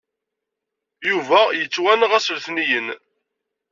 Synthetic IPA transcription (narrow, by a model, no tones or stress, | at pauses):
juvæjət͡sːwænʁæsəlθnijən